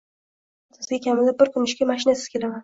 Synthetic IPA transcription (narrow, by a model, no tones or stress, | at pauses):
sʰɪzɡʲakʲʰamɪlɪp̚bɪɾkʰʲʊnɪʃkʲamaʃɪnasɪ̥z̥kʲʰe̞laman